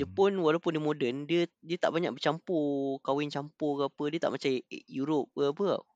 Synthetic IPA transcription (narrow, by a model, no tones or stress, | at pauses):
d͡ʒəpʊnwalawpʊndimõdəndiədiət̪a̰ʔbaɲak̚bət͡ʃampukawɪnt͡ʃampuɡapədiət̪a̰ʔmat͡ʃajuɾʊp̚əbəa̰